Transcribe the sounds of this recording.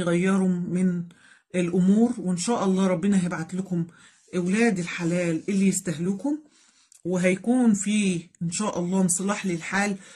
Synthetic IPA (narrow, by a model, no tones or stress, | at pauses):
ɣæjːɑɾˤʊːɪn | elʔʊmuːɾwɪnʃæːʔɑlˤːɑːɾˤɑbːɪnæhæjɪbʕat̪lʊkʊm | ʔɪwlæːd̪ɪlħalæːlʔɪlːijɪst̪æɦluːkʊm | wɪɦæjkuːnfiːʔɪnʃæːʔɑlˤːɑːmnsˤɑlɑːħlilħaːl